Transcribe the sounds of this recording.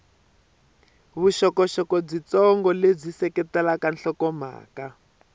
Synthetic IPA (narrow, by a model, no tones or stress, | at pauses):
βuʃɔkɔʃɔkɔb͡ʐit͡sɔŋɡɔleb͡ʐisɛkɛtɛlakanɬɔkɔma̰ːka